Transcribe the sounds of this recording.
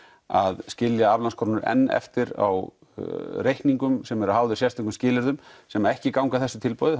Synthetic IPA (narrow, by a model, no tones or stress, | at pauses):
aðscɪljaavlanskʰɔɾnʏɾɛ̰nːɛ̰ft̪ɪɾa̰w | rejhkniŋkʏmsɛmɛɾaɦawðʏɾsjɛst̪ɪŋkʏmscɪːlɪɾðʏmsɛmaɛhcɪkawŋkaθɛsːʏ̥t̪ʰɪlpɔwðɪ